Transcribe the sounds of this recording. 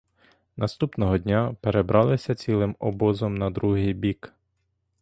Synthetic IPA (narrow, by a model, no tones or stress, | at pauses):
nɐst̪upnɔɦɔd̪ʲnʲapeɾebɾɑlˠɪsʲɐt͡sʲilˠɪmɔbɔzɔmnɐd̪ɾuɦɪjbʲik